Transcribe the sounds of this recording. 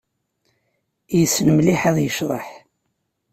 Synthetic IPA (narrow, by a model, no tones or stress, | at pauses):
jəsːnəmliħaðˤjəʃɾˤɑ̰ħ